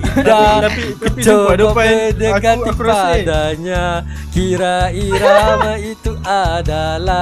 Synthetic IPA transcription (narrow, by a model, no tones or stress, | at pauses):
dakət͡ʃoədəɡaipadaɲa | kiɾaiɾamait̪uʔadala